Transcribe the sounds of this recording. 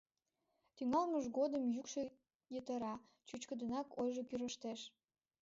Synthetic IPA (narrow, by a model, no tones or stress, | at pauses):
t̪yŋɑlməʃɡod̪əmjykʃe | jət̪əɾɑ | t͡ɕyt͡ɕkəd̪ə̆nɑkojʒokyɾəʃt̪eʃ